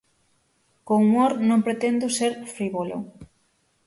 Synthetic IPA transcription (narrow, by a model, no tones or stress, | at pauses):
koumoɾnõmpɾet̪end̪ʊseɾfɾiβolo̰